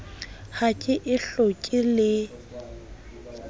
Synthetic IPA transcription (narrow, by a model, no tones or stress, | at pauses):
hakʼɪʔɪɬokʼɪlɪ